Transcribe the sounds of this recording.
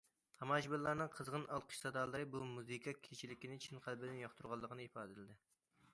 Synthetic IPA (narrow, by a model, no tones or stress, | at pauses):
t̪ʰɑmɑʒbɪlːˠɑɾnɨŋqʰəzʁənɑlˠqʰə̥ʃsɑd̪ɑːlˠɨɾɨbumuzikʰʲɑkʲʰet͡ʃʰilɪkʲinɪt͡ʃʰinqʰælbɪd̪ɪnjɑχt̪ʰuɾʁɑlˠːəqʰənɨipɑːd̪ɨlɪd̪ɪ